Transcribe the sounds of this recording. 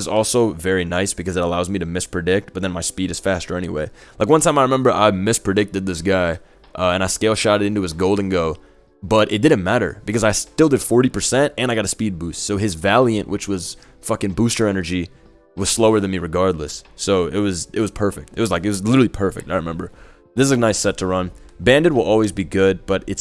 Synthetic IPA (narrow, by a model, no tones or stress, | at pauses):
zɔlˠsoʊvɛɹinaɪsb̥ɨkʌzɨɾəlaʊzmiɾɨmɪspʰɹ̥ɨdɪk̚t̚b̥ʌt̪̚ðɨ̃nmaɪspiɾɨz̥fæstə˞ɛñiwḛɪlaɪk̬wʌ̃ntʰãɪ̃maɪɹɨmɛ̃mbə˞ʔa̰ɪmɪspʰɹ̥ɨdɪk̚tɨd̪̚ðɪsɡ̥aɪ | ʔʌɨ̃ñaɪskeɪlˠʃɑɾɨɾɪ̃ntʉɨzɡoʊlˠdⁿn̩ɡoʊ | b̥ʌɾʔɨ̰t̚d̥ɪdⁿn̩mæɾə̰˞b̥ɨkʌzaɪstɪlˠdɨd̥fɔɹɾipʰə˞sɛ̃ntɨ̃naɪɡɑɾɨspid̚bʉstsoʊɨzvælˠjɨ̃nʔwʔɨt͡ʃwʌz̥ | fʌkɨ̃ŋbustə˞ɛnə˞d͡ʒi | wʌz̥sloʊə˞ðɨ̃nmiɹɨɡɑɹdˡlə̰soʊɪ̰t̚wʌzɨt̚wʌz̥pʰɜ˞fɪk̚tɨt̚wʌzlaɪkɨt̚wʌzlɪɾə˞ipʰɜ˞fɪ̰k̚taɪɹɨmɛ̃mbə˞ | ðɪszɨnaɪsɛtʰəɹʌ̃nbæ̃ndɨd̚wəlˠɔlˠwizbiɡʊd̚b̥ʌɾɨts